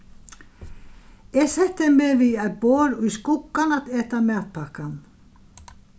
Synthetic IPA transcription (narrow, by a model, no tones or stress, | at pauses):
ɛɣsɛht̪ːɪmɛviat̪̚boːɾʊjskʊkːanat̪eːt̪amaːt̪pʰakan